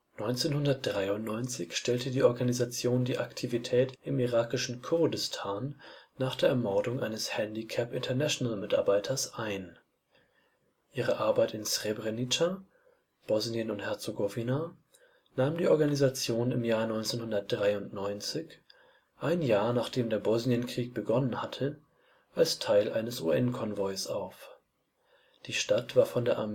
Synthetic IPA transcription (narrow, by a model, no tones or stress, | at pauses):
nɔʏnt͡seːnhʊndɐt̚d̥ʁaɪʊntnɔʏnt͡sɪçʃtɛltədiːʔɔɐɡanizat͡sjoːndiːʔaktʰivitʰɛːtʔɪmiʁaːkɪʃn̩kʰʊʁdɪstʰaːnːaːχd̥eːɐɛɐmɔɐdʊŋʔaɪnəshɛndikʰɛpɪntʰɐnɛʃonalmɪta̰ɐbaɪtʰɐsʔaɪn | ʔiːʁəʔaɐbaɪtɪnsʁ̥ebʁenitʰa | b̥ɔzniənʊnthɛɐt͡soɡovina | naːmndiːʔɔɐɡanizat͡sjoːnɪmjaːɐnɔʏnt͡seːnhʊndɐt̚d̥ʁaɪʊntnɔʏnt͡sɪç | ʔaɪnjaːɐnaːχd̥eːmdeːɐbɔznjənkʁ̥iːk̚b̥əɡɔnənhatʰə | ʔalstʰaɪlʔaɪnəsṵʔɛnkʰɔnvɔʏsʔaʊf | d̥iːʃtatv̥aːɐfɔndeːɐʔam